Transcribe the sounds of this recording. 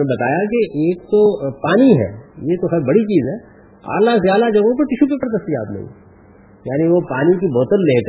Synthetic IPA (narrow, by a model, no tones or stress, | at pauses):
ebɐt̪a̰ːjak̬eʔeːk̚t̪opaːniɦɛ̰ːjeːt̪oxɛːɾbɐɽit͡ʃiːzɦɛː | a̰ːlazjaːd̪ad͡ʒɐɡõp̬ɐɾʈɪʃupekɐɾt̪ɐst̪ia̰ːt̪nɐ̰ɦḭ̃ | jaːniʋopaːnik̬ibɔːt̪əlleːk